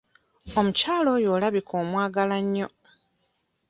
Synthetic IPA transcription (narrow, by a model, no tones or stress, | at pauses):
omucaːlo̞jo̞ːlaβikʰoːmwaːɡalaɲːo